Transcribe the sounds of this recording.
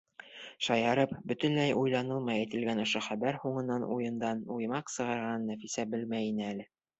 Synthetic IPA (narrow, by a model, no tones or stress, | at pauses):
ʃɑjɑɾɤpbɵ̆t̪ɘ̆nlæjʔujlˠɑnɤlˠmɑjæjt̪ɘ̆lɡænŏʃɤχæbæɾhuɴɤ̆nːɑnʔṵjɤ̆nd̪ɑnujmɑqsɤ̆ʁɑɾʁɑnːæfisæbɘlmæjinɘælɘ